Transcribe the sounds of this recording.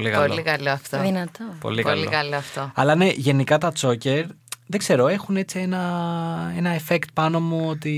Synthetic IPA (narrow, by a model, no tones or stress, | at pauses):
likɐollolikɐloɐft̪oðinɐt̪opo̰likɐ̰llḭkɐloɐft̪oɐ̰lɐne̞ʝe̞nikɐt̪ɐt͡so̞ce̞ɾ | ðe̞ɡzse̞ɾo̞e̞xune̞t͡sie̞nɐ | e̞nɐefe̞kt̪̚pɐno̞muo̞t̪i